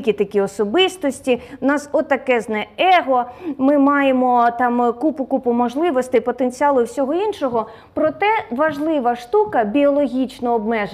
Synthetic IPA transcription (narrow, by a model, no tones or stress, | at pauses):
kʲit̪ɐkʲiɔsɔbɪst̪ɔsʲtʲinɑsɔt̪ːɐkɛznɛɛɦɔmɪmɑjemɔt̪ɑmkupʊkupʊmɔʒlˠɪʋɔst̪ɪpɔt̪enʲt͡sʲiɑlˠʊwsʲɔɦɔinʃɔɦɔ | pɾɔt̪ɛʋɐʒlˠɪʋɐʃt̪ukɐbʲiɔlˠɔɦʲit͡ʃnɔːbmɛʒ